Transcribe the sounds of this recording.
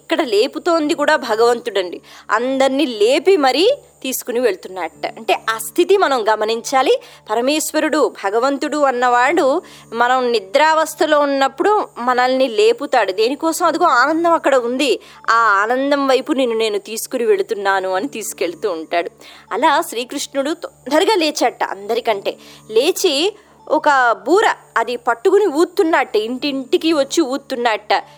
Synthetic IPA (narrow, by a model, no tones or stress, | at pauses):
ikːɐɽɐle̞ːput̪o̞ːnd̪ikuːɽaːbʱɐɡɐʋɐnt̪uɽɐɳɖiɐ̰nd̪ɐniːle̞ːpimɐɾit̪iːsu̥kuniʋe̞ɭut̪unːaːɾɐʈːɐ̰ɐɳʈe̞ːʔast̪ʰit̪imɐnɐmɡɐmɐniɲt͡ʃaːlipɐɾɐmɛːʃʋɐɾuɽubʱɐɡɐʋɐnt̪uɽuɐnːɐʋaːɽu | mɐnɐmnid̪ɾaːʋɐst̪ʰɐlo̞ːunːɐpːuɽumɐnɐlnile̞ːput̪aːɽud̪eːnikɔːsɐmɐd̪uɡoːaːnɐnd̪ɐmɐkːɐɽɐund̪i | aːaːnɐnd̪ɐmʋɐjpune̞ːnːune̞ːnut̪iːsu̥kuniʋe̞ɽut̪unːaːnuɐnit̪iːsu̥ke̞ɭut̪uːɳʈaːɽuɐlaːʃɾiːkɾuʂʈnuɽut̪nd̪ɐɾiɡaːle̞ːt͡ʃaːʈːɐ̰ɐ̰nd̪ɐɾikɐɳʈe̞̰ːle̞ːt͡ʃi | ɔkɐbuːɾɐɐd̪ipɐʈːukuniuːt̪ːunːaːʈːɐiɳʈiɳʈikiʋɐt͡ʃːiuːt̪ːunːaːʈːɐ